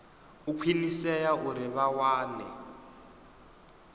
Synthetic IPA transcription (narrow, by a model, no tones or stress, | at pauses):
ukʰwinisɛjaʔuɾɪβawaːnɛ̰